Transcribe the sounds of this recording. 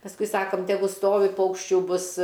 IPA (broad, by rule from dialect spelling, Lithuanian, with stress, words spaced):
pɐsˈkʊɪ ˈsɑːkoːm tʲɛˈɡʊ ˈstoːʋʲɪ ˈpɐʊkʃʲt͡ʃʲuː ˈbʊs